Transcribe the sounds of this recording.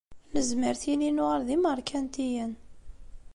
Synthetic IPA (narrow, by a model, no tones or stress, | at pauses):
nəzməɾθilinuʁəɾðiməɾˤkʰænt̪ijæn